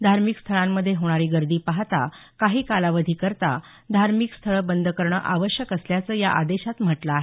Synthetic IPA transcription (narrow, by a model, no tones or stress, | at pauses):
d̪ʱaɾmikst̪ʰəɭamːəd̪ʱːjeɦoɽ̃aɾiːɡəɾd̪iːpaɦt̪a̰ | kaɦiːkalaʋəd̪ʱiːkəɾt̪a̰ | d̪ʱaɾmikst̪ʰəɭbənd̪ʱəkəɾɳə̰ʔaʋəɕjəkəsljat͡səːja̰ʔad̪eɕat̪m̤əʈlaaːɦe